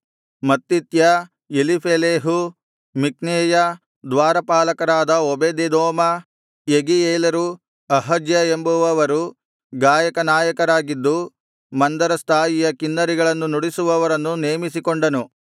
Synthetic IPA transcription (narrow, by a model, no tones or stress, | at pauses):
mɐt̪ːit̪jɐ | elipʰeleːɦu | mik̚neːjɐ | d̪ʋaːɾɐpaːlɐkɐɾaːd̪ɐobed̪ed̪ɔːmɐ | jeɡieːlɐɾu | ɐɦɐd͡ʒjɐembuʋɐʋɐɾu | ɡaːjɐkɐnaːjɐkɐɾaːɡid̪ːu | mɐnd̪ɐɾɐst̪ʰaːjijɐkinːɐɾiɡɐɭɐnːunoɽisuʋɐʋɐɾɐnːuneːmisikoɳɖɐnu